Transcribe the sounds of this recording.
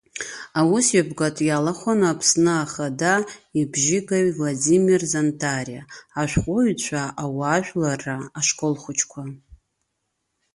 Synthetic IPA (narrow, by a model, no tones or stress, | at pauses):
awusjabɡatʼjalaχʷanaːpʰsnɨaχadaibʒɪɡʼaɥvladimirzantʰariaːʃʷᶣχʷʼoɥt͡ɕʷʰaʔawaʃᶣʷlaraːʃkʼolχʷʊt͡ʃʰkʷʰa